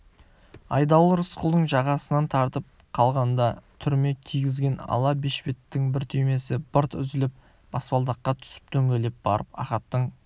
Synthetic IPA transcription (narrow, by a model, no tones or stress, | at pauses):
ɑ̰jd̪ɑwˠəɾəsqʊlˠd̪əɴʒɑʁɑsənɑnt̪ʰɑɾt̪əp̚ | qʰɑlˠʁɑnd̪ɑt̪ʰʏɾme̞kʲʰijɡʲɪzɡʲe̞nɑ̰lˠɑbeʃpet̪ːɪŋbɪɾt̪ʰʏjme̞sɪb̥əɾt̪ʏ̰zɪlɪp̚ | b̥ɑspɑlˠd̪ɑqːɑt̪ʰʏ̥sɪ̥p̚t̪ʰɵŋɡʲele̞p̚b̥ɑ̰ɾəp̚ɑ̰χɑt̪ːəɴ